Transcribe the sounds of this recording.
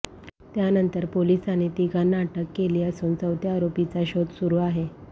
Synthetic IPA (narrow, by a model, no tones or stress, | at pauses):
t̪janənt̪əɾpolisanet̪iɡʱanːaʈəkːeliːəsuːnt͡səwt̪ʰjaːɾopit͡saɕod̪suɾuːaɦe